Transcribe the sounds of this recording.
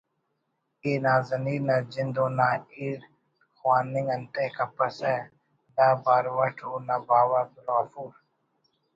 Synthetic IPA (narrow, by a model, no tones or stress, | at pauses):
inaːzɐniːnɐd͡ʒɪnd̪oːnaːiɽ | xwaːnɪŋɡɐnt̪eːkɐpɐsɛ | naːbaːɾʋɐʈʰoːnabaːwɐbɾaːfuːɾ